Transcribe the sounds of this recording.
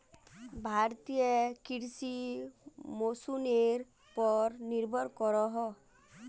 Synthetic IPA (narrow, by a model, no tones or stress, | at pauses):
bʱaɾt̪iekiɾsi | mosuneɾ | pɔɾniɾbʱɔɾkɔɾɔɦɔ